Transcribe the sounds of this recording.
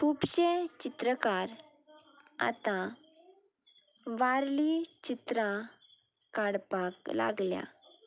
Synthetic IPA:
kʰupɕet͡ɕit̪ɾəkaɾ | a̰t̪ã | ʋaɾlit͡ɕit̪ɾã | kaɽpakla̰ɡlja̰

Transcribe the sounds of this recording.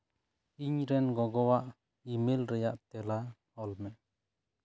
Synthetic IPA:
iɲɾɛnɡɔɡɔwaʔ | imelɾɛjaʔt̪ɛla | ɔlmɛʔ

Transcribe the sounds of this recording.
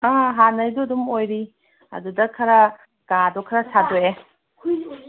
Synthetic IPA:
aɦanɐjdoɐdumojɾi | ɐ̰dudɐkʰɐɾɐ | ɡ̥adɔkʰɐɾɐsadoe

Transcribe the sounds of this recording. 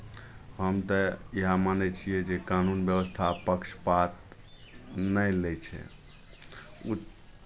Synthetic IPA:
ɦəmt̪əiɦamanɛt͡ʃʰijɛd͡ʒekanunbjəwəst̪ʰapəkʃpat̪̚ | nəlɛt͡ʃʰɛ̰ | u

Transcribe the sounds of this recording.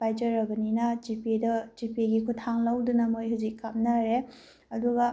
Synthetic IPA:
pajd͡ʒɐɾɐbɐninɐd͡ʒipidɐd͡ʒipiɡikʰutʰaŋlɐwdunɐmojɦuzikːap̚naɾe | ɐduɡɐ

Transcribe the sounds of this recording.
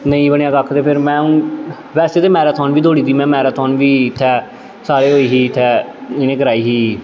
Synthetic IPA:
nəĩːbəɳ̃ãːɡakʰːt̪eːpʰɪɾmɛ̃ːʊ̃ː | ʋɛːseːt̪eːmɛːɾaːt̪ʰɔːnʋiːd̪oːɽiːt̪iːmɛ̃ːmɛːɾaːt̪ʰɔːnʋiːɪt̪ʰːɛː | saːɾeːɦoːiːɦiːɪt̪ʰːɛːɪnẽːkəɾaːiːɦiː

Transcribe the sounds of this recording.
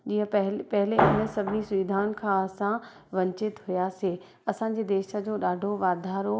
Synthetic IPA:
d͡ʑiːə̃ɦpɐɦɪleɪnə̆sɐbʱɪnisʊʋid̪ʱaːʊnɪ̆kʰãːɐsã | ʋɐ̃ɲt͡ɕɪt̪ɦujaseː | ɐsã̆d͡ʑeːd̪eːʃə̆d͡ʑoːɗaːɖʱoʋaːd̪ʱaːɾo

